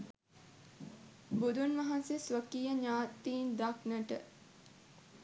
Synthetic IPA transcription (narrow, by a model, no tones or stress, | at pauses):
bud̪unʋɐɦansesʋəkijəɲaːt̪iːnd̪aknəʈə